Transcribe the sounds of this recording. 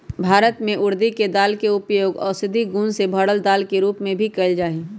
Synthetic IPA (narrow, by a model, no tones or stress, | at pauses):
bʱaːɾət̪mẽʔʊɾd̪iked̪aːlkeʊpjoːɡɔːɾsɪd̪ʱiɡũːnsebʱəɽəld̪aːlkeɾuːpmẽbʱikɐɪld͡ʒaːi